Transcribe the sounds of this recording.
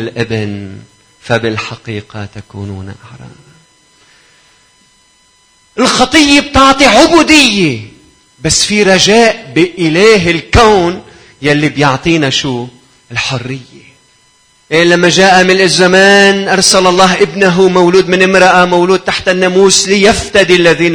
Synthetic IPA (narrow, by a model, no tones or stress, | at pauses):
ɪlʔɪbɪn | fabɪlħɑqiːqɑ̰t̪akṵːnṵːnʔaħɾˤɑ̰ːn | ʔɪlxɑt̪ˤɨjːeb̚t̪ɑʕt̪ˤiʕʊbuːd̪ɪjːe | basːfiɾˤɑʒaːʔbɪʔɪlaːɦɪlkawn | jalːibjʊʕt̪ˤiːnaʃuː | ɪlħʊrːɪjːe | ʔelamːaʒaːʔamɪnɪzːamaːnʔɑɾˤsalɑlˤːɑːɦʔɪbnaɦumawluːd̪mɪnɪmɾɑʔamawluːd̪̚t̪aħt̪ɪnːamuːslijaft̪ad̪ilːaðiːn